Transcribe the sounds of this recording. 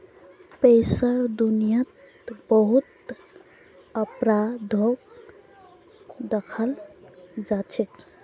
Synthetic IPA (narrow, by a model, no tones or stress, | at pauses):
pejsəɾd̪unijət̪ | bəɦut̪ | əpɾad̪ʱok | d̪əkʰəl | d͡ʒat͡ʃʰɛk